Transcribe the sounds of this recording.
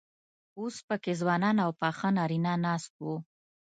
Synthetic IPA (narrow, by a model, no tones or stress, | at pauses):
ospəkezwɑnɑnawpɑxanɑɾinɑnɑst̪̚wu